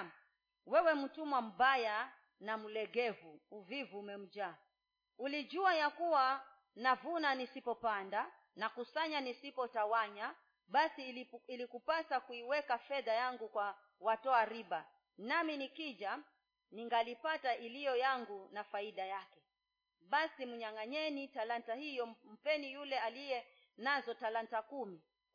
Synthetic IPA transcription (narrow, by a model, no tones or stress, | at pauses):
wɛwɛm̩tumwam̩baja | nam̩lɛɡɛvuuvivuːmɛm̩d͡ʒaː | ulid͡ʒuajakuwa | navunanisipɔpanda | nakusaɲanisipɔtawaɲa | ɓasiilikupasakuiwɛkafɛðajaŋɡukwa | watɔaɾiɓa | naminikiʄa | niŋɡalipataʔilijɔjaŋɡunafaiɗajakɛ | ɓasim̩ɲaŋaɲɛnitalantahijɔm̩pɛnijulɛalijɛ | nazɔtalantakumi